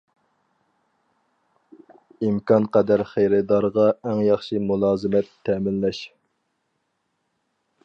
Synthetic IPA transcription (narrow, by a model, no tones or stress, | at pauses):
imkʰɑnqɛd̪æɾχejɾɪd̪ɑɾʁɑɛŋjɑχʃimulˠɑːzɨmɛt̪ʰːɛmɪnlɛʃ